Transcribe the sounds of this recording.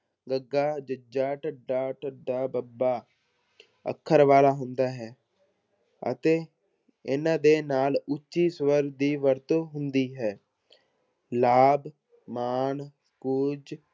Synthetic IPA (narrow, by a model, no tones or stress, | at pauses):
ɡəɡːaːd͡ʒəd͡ʒaːʈəɖːaːʈəɖaːbəbaː | ə̰kʰːəɾʋaːlaːɦʊnd̪aːɦɛː | ə̰t̪eː | ɪnãːd̪eːnaːlʊt͡ʃːʃiːsʋəɾd̪iːʋəɾt̪oːɦʊnd̪iːɦɛː | laːb | maːn | kʊd͡ʒ